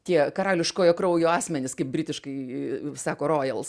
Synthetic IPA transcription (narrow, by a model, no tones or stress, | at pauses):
t̪ʲiɛkɐɾɑːlʲɪʃkoːjoːkɾɐʊjoːɑːsʲmʲɛnʲɪskɐɪp̚bʲɾʲɪt̪ʲɪʃkɐɪsɑːkoːroːjɛlˠs